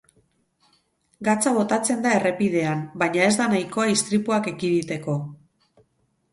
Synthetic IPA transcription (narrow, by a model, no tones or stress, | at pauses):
ɡat͡saβ̞o̞t̪at͡se̞nd̪ae̞re̞pið̞e̞ambajɲae̞zd̪anajko̞aist̪ɾipuake̞kiðit̪e̞ko̞